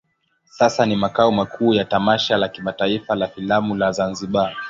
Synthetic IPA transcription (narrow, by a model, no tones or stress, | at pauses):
sasanimakaɔmakʰuːjatamaʃalakimataifalafilamulazanziɓa